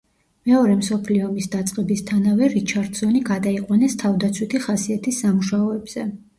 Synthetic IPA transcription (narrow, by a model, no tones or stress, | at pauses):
mɛɔɾɛmsɔpʰliɔmisd̪at̪sʼqʼɛbist̪ʰanavɛɾit͡ʃʰaɾd̪sɔniɡad̪aiqʼwanɛst̪ʰavd̪at̪sʰwit̪ʰiχasiat̪ʰisːamuʃaɔɛbz̥ɛ